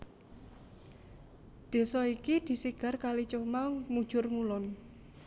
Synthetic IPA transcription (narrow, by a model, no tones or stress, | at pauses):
d̪̥e̤sɔikid̪̥i̤siɡ̥a̤rkalit͡ʃomamud̥ʒ̥ʊrŋulɔn